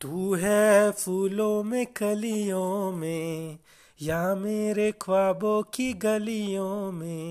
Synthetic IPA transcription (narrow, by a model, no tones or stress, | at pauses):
t̪uːɦɛːpʰuːlõmẽkɐlijõmẽ | jameːɾekʰʋaːbokiɡɐlijõmẽ